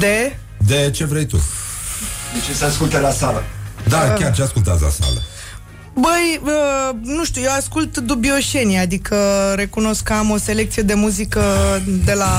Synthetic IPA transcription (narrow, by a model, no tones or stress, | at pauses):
d̪e̞ | d̪e̞t͡ʃe̞vɾejt̪ṵ | it͡ʃesəaskult̪elasalə̰d̪akʲart͡ʃeaskult̪a̰s̬la̰sa̰lə̰ | bəjənuʃt̪ʲujewaskult̪d̪ubio̞ʃe̞niad̪ikəɾe̞kuno̞skːəamo̞se̞le̞k̚t̪sije̞d̪e̞muzikəd̪e̞la